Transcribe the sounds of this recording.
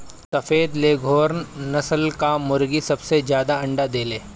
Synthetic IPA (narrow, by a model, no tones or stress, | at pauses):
sɐfeːd̪leːɡʱoːɾnnɐsəlkamʊɾɡisɐbsed͡ʒjaːd̪aɐ̃ɳɖad̪eːleː